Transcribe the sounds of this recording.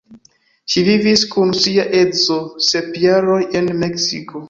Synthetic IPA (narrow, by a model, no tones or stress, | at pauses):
ʃiviviskunsiaʔe̞zo̞sepjaɾo̞je̞nmeksiko̞